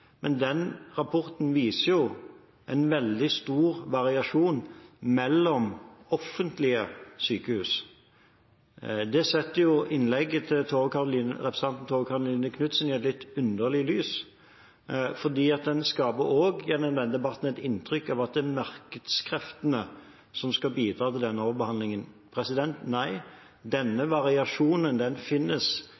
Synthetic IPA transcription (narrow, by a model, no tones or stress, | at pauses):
mʔɛnd̪ɛnʁɑpʰɔʁt̪n̩ʋiːsəjʊ | ʔɛɪnʋɛld̪ɪst̪uːʁʋɑʁɪɑʂuːnmɛlːɔmɔfːənt̪lɪəsyːkəhʉːs | d̪ɛsɛt̪ːəjʊɪnlɛɡːət̪ʰɪlt̪ʰoːʋkɑʁʊlinəʁɛpɾɛs̩ɑnt̪n̩t̪ʰoːʋəkʰɑʁʊliːnəkʰnʉt̪sənɪɛt̪lɪt̪ːʉnd̪əʁlɪəlyːs | fɔʁd̪iːɑt̪̚d̪ɛnskɑːbəɾoːɡænɛd̪ʋɛnd̪ɪbɑʁt̪n̩ɛt̪ɪnt̪ʰʁʏkːɑʋɑt̪̚d̪ɛmɑɾkəd̪skʰɾɛft̪ənə | sɔmskɑbiːd̪ɾɑːt̪ʰɪld̪ɛnːəɔːʋəɾbəhɑnd̪lɪŋən | pʰɾɛsɪd̪ɛnt̪næɪ | d̪ɛnːəʋɑʁɪɑʂuːnənd̪ɛnfɪnːəs